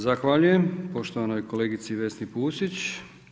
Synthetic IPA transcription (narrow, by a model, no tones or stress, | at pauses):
zaxʋaːʎuje̞mpo̞ʃt̪o̞ʋanojkoleːɡit̪siʋe̞snipuːsit͡ɕ